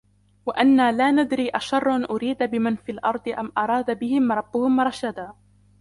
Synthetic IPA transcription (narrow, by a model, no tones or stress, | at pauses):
waʔanːaːlaːnad̪ɾiːʔaʃɑrˤːʔanʔʊɾiːd̪abɪmanfiːlʔɑɾˤd̪ˤɨʔamʔɑɾˤɑːd̪abɪhɪmɾˤɑbːʊhʊmɾˤʃad̪aː